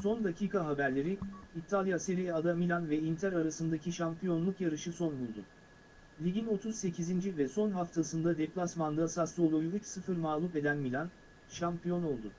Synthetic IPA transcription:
so̞nd̪acʰiːkʰaɦabæɾlʲe̞ɾiit̪ʰalʲˠjaseɾijɛad̪amilʲanvɛint̪ʰæɾaɾasɯnd̪acʰiʃampijo̞nlˠukjaɾɯʃɯso̞nbulˠd̪ʊ | lʲiɟino̞t̪ʰuz̥se̞cʰizind͡ʒivɛso̞nɦaft̪ʰasɯnd̪ad̪eplˠasmand̪ɯasaslˠɯolˠujuɾut͡ʃsɯfɯɾmalˠupe̞d̪ænmilʲan | ʃampijo̞no̞lˠd̪ʊ

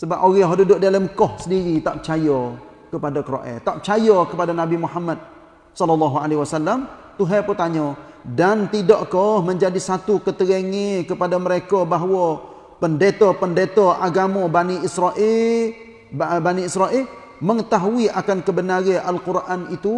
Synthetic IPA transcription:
səbapʔoɣɛɦodudʊʔdalamkɔhsəndiɣit̪aʔpət͡ʃajɔ | kəpadakəɾo̰ʔɛ̰t̪aʔpət͡ʃajɔkəpadanabimuɦamad̪̚ | sɔlɔlːɑɦualewasalːamt̪uɦɛput̪aɲɔdant̪idɔʔkɔhməɲd͡ʒadisat̪ukət̪əɣəŋekəpadaməɾekɔbaɦwɔ | pəndet̪ɔpəndet̪ɔʔaɡamɔbaniisɾaʔɪ | baniisɾaʔɪl | məŋət̪aɦuiʔakankəbənaɾeʔalkuɾʔanit̪u

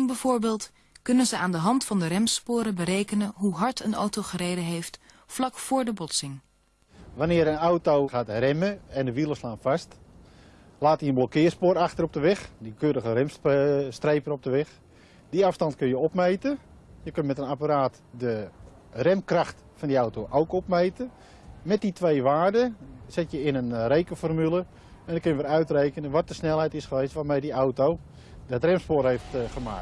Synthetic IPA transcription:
ŋbəvoːɹbeːlˠt | kɵnənzəaːndəɦɑntfɑndərɛmspʊːɾəbəɾejkənənɦuɦɑɹtʰəno̰wtowχərejdəɦejftflɑkfʊːɹdəbɔtsɪŋ | ʋanɪəɾənawtowxaːtrɛməɛndəʋilˠəslaːnfast | laːtjiənblokɪərspʊːɾaxtərɔp̚dəʋɪxdikøːɾəɣərɛmsstrejpəɾɔp̚dəʋɪx | d̥iafstɑntkønjəɔpmejtə | jəkønmɛtənapaɾaːt | də | rɛmkraxt | fɔndiawtowʔowkɔpmejtə | mɛt̚ditʋejʋaːrdəsɪtjəɪnənrejkəfɔrmylˠə | ɛndəkønjəʋɪɾœɥtrejkənənʋɔt̚dəsnɛlˠɦɛjtɪsχəʋejstʋamejdiawtow | dɔtrɛmspoːrɦejftχəma̰ːk

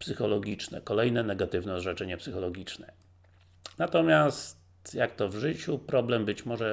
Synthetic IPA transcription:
psɘxɔlɔɡʲit͡ʂnɛ̰kɔlɛjnɛnɛɡat̪ɘvnɛʐɛt͡ʂɛɲɛpsɘxɔlɔɡʲit͡ʂnɛ | nat̪ɔmʲjastt̪jakt̪ɔvʐɘt͡ɕupɾɔblɛmbɘt͡ɕmɔʐɛ

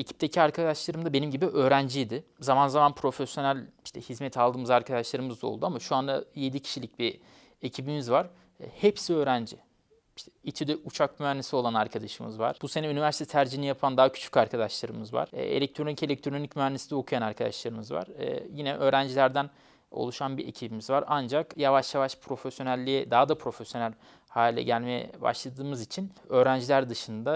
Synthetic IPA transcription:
ecʰi̥p̚t̪ʰecʰiaɾkʰad̪aʃlˠaɾɯmd̪abenimɟibiʔø̞ːɾænd͡ʒijd̪ɪzamanzamanpʰɾo̞fesjo̞nælʲi̥ʃt̪ʰɛhizmɛt̪ʰalˠd̪ɯːmɯzaɾkʰad̪aʃlˠaɾɯmɯzd̪ao̰lˠd̪uamaʃuand̪aje̞d̪icʰi̥ʃilʲic̚bi | ecʰibimizvaɾ̥ | hɛpsiø̞ːɾænd͡ʒi | iʃt̪ʰɛit͡ʃ̪ʰid̪ɛʔut͡ʃʰakmyænːesio̞lˠanaɾkʰad̪aʃɯmɯ̰zva̰ɾ̥b̥usenɛynivæɾsit̪ʰɛt̪ʰæɾd͡ʒinijapʰand̪aɦacʰy̥t͡ʃʰy̥caɾkʰad̪aʃlˠaɾɯmɯzva̰ɾ̥̰ḛlʲɛc̚t̪ʰɾo̞nice̞lʲɛc̚t̪ʰɾonicmyænːesind̪ɛokʰujanaɾkʰad̪a̰ʃlˠaɾɯmɯzva̰ɾ̥jinɛʔø̞ːɾænd͡ʒilʲæɾd̪æn | o̰lˠuʃanbie̞̰cʰibimizvaɾand͡ʒakjavaʃjavaʃpʰɾo̞fesjo̞nælʲːijɛd̪aɦad̪apʰɾo̞fesjo̞nælʲ | haːlʲilʲɛ̰ɟælʲme̞jɛ̰ba̰ʃlˠad̪ɯːmɯzit͡ʃʰinø̞ːɾænd͡ʒilʲæɾd̪ɯʃɯnd̪a

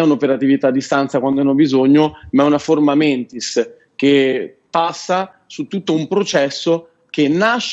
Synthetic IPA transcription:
ɛunopeɾat̪ivit̪aːd̪ːist̪ant̪sakwand̪oanːɔbizoɲːomaɛunaformamɛnt̪is | k̟epːasːa | sut̪ːut̪ːoumpɾot͡ʃɛsːo | k̟enːaʃː

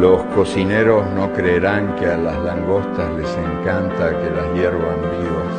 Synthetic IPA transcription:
loskosineɾo̞snokɾeːɾaŋkealazlaŋɡo̞st̪asleseŋkant̪akelazjeɾβambiβas

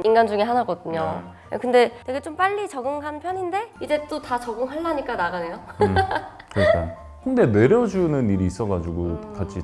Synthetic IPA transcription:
inɡand͡ʑuŋe̞ɦanaɡʌdɯɲo̰ | a̰kɯnde̞twe̞ɡe̞t͡ɕ͈omp͈aʎːit͡ɕʌɡɯŋɦanpʰjʌɲinde̞id͡ʑe̞t͈otat͡ɕʌɡɯŋɦaɭːaɲik͈anaɡane̞jo | kɯɾk͈a̰n | hoŋde̞ne̞ɾjʌd͡ʑunɯniɾiːs͈ʌɡad͡ʑuɡokat͡ɕʰi

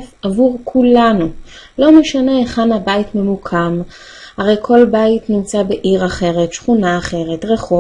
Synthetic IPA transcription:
favuʁkʰulanu | lo̞meʃane̞eχanhabaitme̞mukʰam | haʁe̞jkʰo̞lbaitnimt͡sabe̞ʔiʁaχe̞ʁetʃχunaːχe̞ʁe̞tʁeχo

